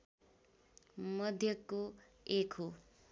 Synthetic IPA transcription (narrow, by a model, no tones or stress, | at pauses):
mʌd̪ʱjʌko | ekʰo